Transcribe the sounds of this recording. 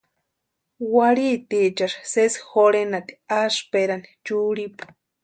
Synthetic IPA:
waɾit̪it͡ʃaʃsesxoɾenat̪i̥aspeɾani̥t͡ʃuɾipu̥

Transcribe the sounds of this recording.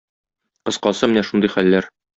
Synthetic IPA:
qɤ̆sqɑsɤmɘ̆næʃund̪ɤjχælːæɾ

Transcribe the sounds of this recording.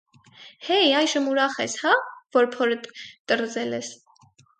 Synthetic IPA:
hɛjɑjʒəmuɾɑχɛ̰shɑvɔɾpʰɔɾət̪əɾzɛlɛs

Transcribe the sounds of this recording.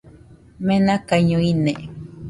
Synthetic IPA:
mẽnãkaɲõine

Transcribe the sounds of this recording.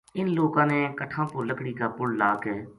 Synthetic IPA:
ɪnloːkãːneːkəʈʰãːpʊɾləkɽiːkaːpʊɽlaːkɛː

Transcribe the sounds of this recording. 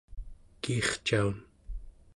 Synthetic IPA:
kiχt͡ʃaun

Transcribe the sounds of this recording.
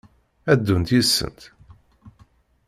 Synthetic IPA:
æd̪ːunt̪jisːə̰nt̪

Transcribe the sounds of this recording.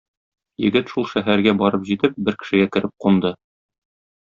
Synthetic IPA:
jɘ̰̆ɡɘt̪ʃulˠʃæɦæɾɡæbɒɾɤpʑit̪ɘp̚bɘɾkɘ̥̆ʃɘ̆ɡækɘ̆ɾɘp̚qund̪ɤ

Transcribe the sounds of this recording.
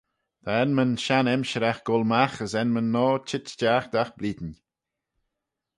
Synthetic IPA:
d̪̥ʰaɛnmənʃanɛmʃəɾaxɡ̥ɔlmaxəsɛnmənːɔːt͡ʃʰɪt͡ʃd͡ʒaːxd̪axbliːdən

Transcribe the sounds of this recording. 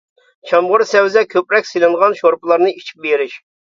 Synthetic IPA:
t͡ʃʰɑmʁʊɾsɛwzɛkʲʰøpɾɛkʲselˠɨŋʁɑnʃoɾplˠɑɾnɨit͡ʃʰi̥p̚beɾɪʃ

